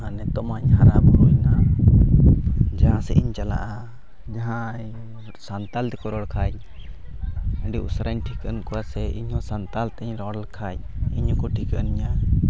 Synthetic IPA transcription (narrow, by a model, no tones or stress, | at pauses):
anɛt̪ɔmaɲɦaɾabɔɾɔjna | d͡ʒaɦãsɛ̰ʔiɲt͡ʃala̰ʔa | d͡ʒaɦã | sant̪ald̪ɛkɔɾɔɽkʰaj | əɖiusɾaɲʈʰikənkɔwasɛʔiɲhɔ̃sant̪alt̪ɲɾɔɽlkʰajiɲɔkɔʈʰikəənɲa